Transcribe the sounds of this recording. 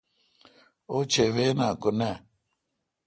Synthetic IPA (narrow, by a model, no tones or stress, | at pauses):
ot͡ʃeβenakʊnɛ